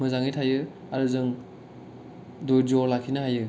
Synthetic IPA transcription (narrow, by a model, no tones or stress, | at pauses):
mɯzaŋijtʰajɯ | aɾɯzɯŋ | dojd͡ʒɔlakʰinaɦajɯ